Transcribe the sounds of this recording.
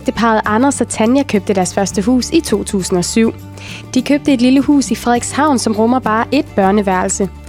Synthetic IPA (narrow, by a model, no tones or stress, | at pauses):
d̥əpʰɑ̈ːð̩ˠɑ̈nɐsɒt͡sʰænjækʰøb̥̚d̥əd̥æɐsfɶɐsd̥əɦṵːsit͡sʰo̝̰ːt͡sʰṵːsn̩ɒ̽syʊ̰ | d̥ikʰøb̥̚d̥əe̝d̥liləhṵːsifʁɛðˠɡ̥shɑ̈ʊ̰nsɒ̽mʁɔ̽mɐb̥ɑ̈ːʔe̝d̥̚b̥ɶɐnəʋæɐl̩sə